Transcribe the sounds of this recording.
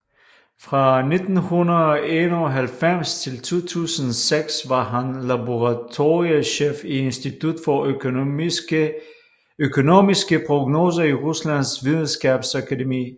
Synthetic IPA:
fʁɑ̈ne̝d̥n̩hunɐðˠɒe̝nɐɒɦælfem̰st͡sʰe̝lt͡sʰo̝̰ːt͡sʰṵːsənseɡ̥sʋɑ̈ɦænlæboʁɑt͡sʰo̝ːʁiəɕḛfie̝nsd̥it͡sʰud̥fɒ | økʰo̝no̝misɡ̥əpʰʁoɡ̥no̝ːs̬ɐiʁuslæn̰sʋiðˠn̩sɡ̥ɛb̥sækʰædemḭː

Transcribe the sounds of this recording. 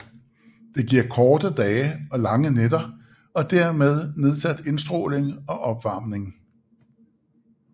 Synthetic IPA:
d̥e̝ɡ̥iɐ̰kʰɒːd̥əd̥ɛːəɒ̽lɑ̈ŋənedɐ | ɒ̽d̥æɐ̰með̞ˠne̝ð̞ˠsæd̥e̝nsd̥ʁo̰ːle̝ŋɒ̽ʔɒ̽b̥ʋɑ̈ːmne̝ŋ

